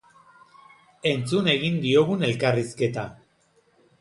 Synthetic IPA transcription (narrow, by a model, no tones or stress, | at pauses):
e̞nt͡sune̞ɣind̪io̞ɣune̞lkariske̞t̪a